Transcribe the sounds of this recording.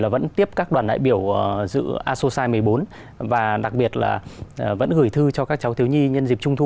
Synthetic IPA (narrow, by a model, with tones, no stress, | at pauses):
laː˨˩və̰˧˥nt̪i˦˥əp̚kaː˦˥k̚ɗwaː˨˩nɗa̰ː˧˨jɓi˧˩əwzɨ̰˧˥ʔaː˧so˧saː˧jmɨ˨˩əjɓo˨˦n | vaː˨˩ɗa˨˩k̚ɓi˨˩ət̚la̰ː˨˩˨və̰˧˥nɣɨ˧˩jt̪ʰɨ˧t͡ɕɔ˧kaː˦˥k̚t͡ɕa˨˦wt̪ʰwɲi˧ɲə˧nzi˨˩p̚t͡ɕʊ˧ŋ͡mt̪ʰu˧